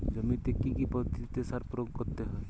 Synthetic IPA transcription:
d͡ʒəmint̪ekːikipɔt̪it̪esaɾpɾoɡkɔɾt̪eɦɔe

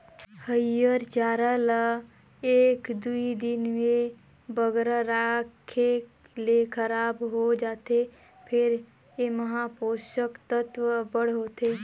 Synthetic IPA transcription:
həjəɾt͡ʃaːɾala | eːkd̪uid̪ɪnmẽ | bəɡɾaɾaːkʰe | lekʰəɾaːbɦod͡ʒaːt̪e | pʰɪɾ | jeməɦaːpoːʃəkt̪ət̪ʋəbəɽ̤ɦoːt̪eː

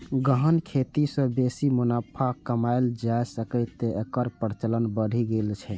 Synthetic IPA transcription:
ɡəɦənkʰet̪isə̃besimunapʰakəmaeld͡ʒaesəkɛɪt̪ːeekəɾpəɾt͡ʃələnbəɽ̤ʱiɡelt͡ʃʰɛ

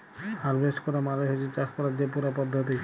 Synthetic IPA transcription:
aɾbesʈkɔɾamaɾeɦet͡ʃit͡ɕaʃkɔɾad͡ʑepuɾapɔd̪ʱːot̪̬i

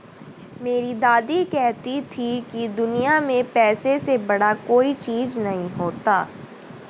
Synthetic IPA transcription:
meːɾid̪aːd̪ikɛɦt̪it̪ʰikid̪ʊnijamẽpɛːsesebɐɽakoːit͡ʃiːznɐɦĩɦoːt̪aː

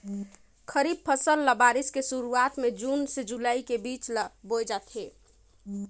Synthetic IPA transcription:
kʰəɾib̚pʰəsəlːəbaɾiskesuɾuat̪med͡ʒunsed͡ʒulaikebit͡ʃlbojd͡ʒat̪ʰɦe

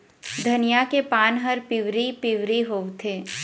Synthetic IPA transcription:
d̪ʱɐnɪjakepaːnɦəɾpɪʋɾipɪʋɾiɦoːʋt̪ʰeː

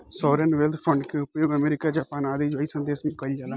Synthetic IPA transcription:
sɔːɾənʋɛlt̪ʰpʰə̃ɳɖkeʊpjoːɡəmeːɾɪːkaːd͡ʒaːpaːnaːd̪eːd͡ʒaːiːsə̃nd̪eːsnĩkəid͡ʒaːlaː

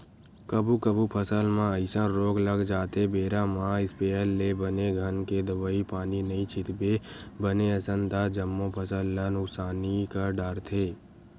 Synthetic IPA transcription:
kəbʱukəbʱupʰəsəlmãəɪsə̃ɾoːɡləɡd͡ʒaːt̪ebeːɾamãɪspeːəlːebəneɡʱənked̪əbəipaːninəĩt͡ʃʰɪt̪bebəneəsənt̪ad͡ʒəmːõpʰəsəlːanʊksaːnikaɖaːɾt̪ʰeː

